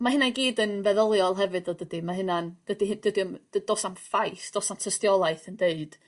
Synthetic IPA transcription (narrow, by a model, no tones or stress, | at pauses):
mahɪnaɡiːdənvɛðəlˠjɔlˠɦɛvɨdɔdəd̥imaɦɪnand̥ədihɨd̥ədiɔmd̥əd̥oːsanfajsd̥oːsantʰəstjɔlˠaɨθəndeɨd̥